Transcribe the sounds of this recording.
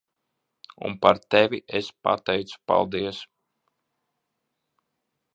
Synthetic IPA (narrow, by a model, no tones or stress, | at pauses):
ṵnpaɾt̪ɛvʲiʔespa̰t̪ɛjt̪su̥pa̰lˠd̪iɛs